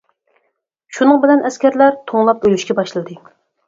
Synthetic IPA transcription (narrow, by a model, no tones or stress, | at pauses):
ʃunɨŋbɪlɛnʔɛskʲæɾlæɾt̪ʰoŋlˠɑpølyʃkʲɛbɑʃlˠɨd̪ɨ